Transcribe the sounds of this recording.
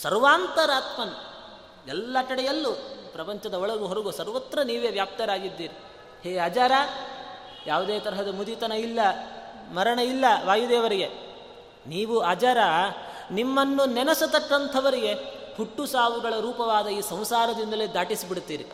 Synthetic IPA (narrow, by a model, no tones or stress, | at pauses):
sɐɾʋaːnt̪ɐɾaːt̪mɐn | ɛlːɐʈɐɽɛjɐlːupɾɐpɐɲt͡ʃɐd̪ɐɔɭɐluɦɔɾɐɡosɐɾʋɐt̪ɾɐniːʋeːʋjaːp̚t̪ɐɾaːɡid̪ːiːɾi | heːɐd͡ʒaːɾaː | jaːʋud̪eːt̪ɐɾɐɦɐd̪ɐmud̪it̪ɐnɐilːɐ | mɐɾɐɳɐilːɐʋaːjud̪eːʋɐɾiɡe̞ | niːʋuaːd͡ʒaːɾanimːɐnːunɛnɐsɐt̪ɐkːɐnt̪ʰɐʋɐɾiɡe̞ | huʈːusaːʋuɡɐɭɐɾuːpɐʋaːd̪ɐiːsɐ̃w̃saːɾɐd̪ind̪ɐled̪aːʈisibiɽt̪ːiːɾḭ